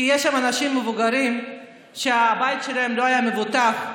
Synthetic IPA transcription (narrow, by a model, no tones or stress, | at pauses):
ijeʃːamanaʃimːevuɡaʁim | ʃeabajit̪ʃe̞lahemlo̞ajame̞vutaχ